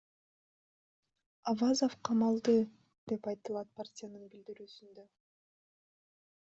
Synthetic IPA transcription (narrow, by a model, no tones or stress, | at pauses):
ɑvazofqʰɑmɑlˠd̪ɯ | d̪̥e̞pɑjt̪ɯlˠɑt̪̚partʲɪjanɯnbild̪iɾyːsynd̪ø